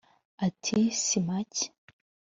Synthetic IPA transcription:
atʰisimac

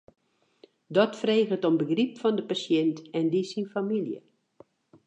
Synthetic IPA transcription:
dɔtfreːɣətombəɡripfɔndəpasjɛntɛndisinfamiljə̰

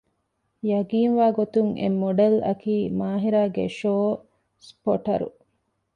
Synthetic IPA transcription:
jɐɡiːnʋaːɡot̪uŋʔḛmːoɖɐlɐ̰kiːmaːɦiɾaːɡḛʃoː | spoʈɐ̰ɾṵ

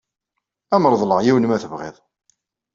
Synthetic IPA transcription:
æməɾˤðˤləʁjiwnmæθəvʁḭðˤ

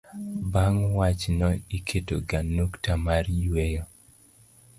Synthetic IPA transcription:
baŋwat͡ʃnɔikʰetoɡanuktamarjwejɔ

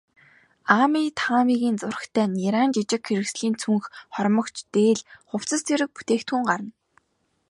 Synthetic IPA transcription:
amiːt̪ʰaːmiɣiːnt͡sʊr̆xt̪ʰæːnʲiɾaːnt͡ɕit͡ɕɪ̆kxeɾɘ̆ksɮiːnt͡sʰuŋxχɔrmɞ̆kt͡ɕt̪eːɮχʊw̥t͡sə̆st̪ʰeɾɘ̆k̚put̪eːkt̪xuŋɢaɾə̆n

